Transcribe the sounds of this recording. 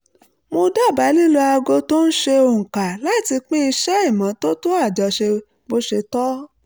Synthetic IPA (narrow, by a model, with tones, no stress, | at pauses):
mo˧da˦˨ba˨˦li˦lo˧a˧ɡo˧to˦n̩˦ʃe˧o˧˨ka˨la˦˨ti˧k͡pĩ˦i˧ʃɛ˦i˦˨mã˨˦to˦to˦a˦˨d͡ʒɔ˨ʃe˧ | bo˧˦ʃe˧tɔ˦